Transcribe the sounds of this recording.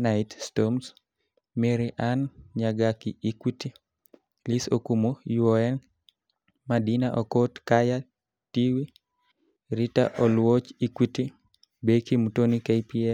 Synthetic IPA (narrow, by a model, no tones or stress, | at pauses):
naɪtstoms | meɾiʔanɲaɡakiikwiti | lisokumojuɔɛn | madinaʔɔkotkaja | tiwi | ɾita̰ʔɔlwot͡ʃikwiti | bekimutonikajpiɛ